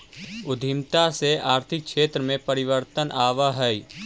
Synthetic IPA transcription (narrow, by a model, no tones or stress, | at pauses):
ʊd̪ʱɪmt̪aseaːɾt̪ʰɪk̚ʃeːt̪ɾəmẽpəɾɪʋəɾt̪ənʔaːʋaɦɛi